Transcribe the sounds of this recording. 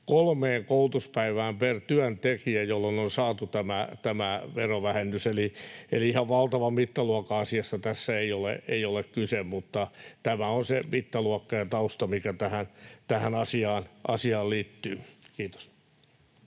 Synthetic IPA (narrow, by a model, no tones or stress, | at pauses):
kolmeːŋkout̪uspæiʋæːmpert̪yænt̪ekiæjolːononsɑːt̪ut̪æmæt̪æmæʋeroʋæhenːyseliḛliihɑʋʋɑlt̪ɑʋɑmit̪ːɑluɑkɑɑsiɑsːɑt̪æsːæeiolḛeijolekkysemmut̪ːɑt̪æmæonsemit̪ːɑluɑkːɑjɑt̪ɑust̪ɑmikæt̪æhænt̪æhænɑsiɑːnʔɑsiɑːlliːt̪ːyːkiːt̪o̥s